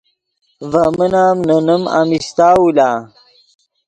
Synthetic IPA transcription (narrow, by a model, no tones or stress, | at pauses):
vɐmənaːmnɐnəma̰mist̪aːwulaː